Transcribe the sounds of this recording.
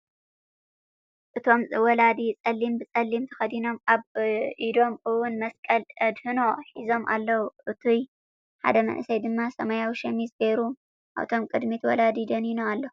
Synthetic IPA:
ʔɨt̪ʰo̞mwɔlad̪it͡sʼɐlːimbɨt͡sʼɐlːimt̪ʰɐ̥xɐd̪ino̞maβid̪o̞mɨwʊnmɐskʼɐlɐd̪hɨnoħizo̞mʔa̰lːɐwuʔɨt̪ʰuj | ħa̰d̪ɐmɐ̰nʔɨsɐjd̪ɨmːasɐmajawiʃɐmizbeɾu | ʔa̰βt̪ʰo̞mkʼɨd̪mit̪wɔlad̪id̪ɐninoalːɐu

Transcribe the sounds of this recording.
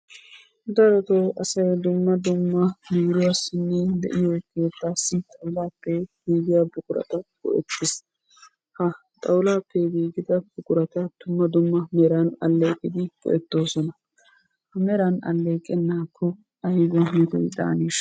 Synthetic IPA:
d̪ɐɾɔt̪owʔɐsɐjd̪ʊmːɐd̪ʊmːɐmiːɾɪwasːɪnːɛd̪ɛ̰ʔɪjoke̞ːt̪ːaːsːɪt̪ʼɐwlaːpːɛɡ̥iːɡɪjɐbʊkʼʊɾɐ̰t̪ɐɡ̥ɔ̰ʔɛ̰t̪ːɪs | hɐ | t̪ʼɐwlaːpːɛɡiːɡɪd̪ɐb̥ʊkʼʊɾɐt̪ɐd̪ʊmːɐd̪ʊmːɐmɛɾɐnɐ̰lːe̞ːkʼɪd̪ɪɡ̥ɔ̰ʔɛt̪ːo̞ːsɔnɐ | hɐmɛɾɐnɐ̰lːe̞ːkʼːɛnːaːkʰːɔ | ɐjɪɡɔmit̪ɔ̰jd̪a̰ːniːʃ

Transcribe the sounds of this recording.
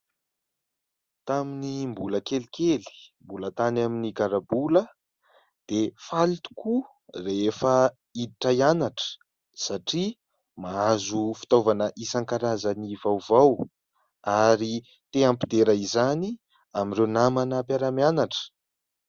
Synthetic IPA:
t̪aminimbuləkelikeli̥mbulət̪anaminiɡaɾabulə | d̪̥efalit̪u̥ku | reefə | id̪iʈ͡ʂajanaʈ͡ʂə̥ | saʈ͡ʂi | maazufi̥t̪ovanəʔisaŋkaɾazanivawvaw | aɾi | t̪eampid̪eɾaizani | amirewnamanapjaɾamianaʈ͡ʂə̥

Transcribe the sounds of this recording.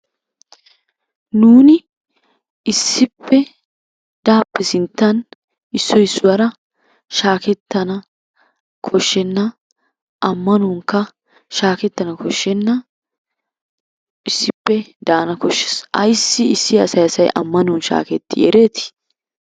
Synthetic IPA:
nuːnɪ | ɪsːɪpːɛ | d̪̥aːpːɛsɪnt̪ːɐn | ɪsːɔjɪsːʊwɐɾɐ | ʃaːkɛt̪ːɐnɐ | kʰɔʃːɛnːɐ | ʔɐmːɐnʊŋkːɐ | ʃaːkɛt̪ːɐnɐkɔʃːɛnːɐ | ʔɪsːɪpːɛd̪aːnɐkɔʃːɛ̥sɐjsːɪɪsːɪɐsɐjsɐjʔɐ̰mːɐnʊnʃa̰ːkɛt̪ːɪʔḛɾeːt̪ɪ̥

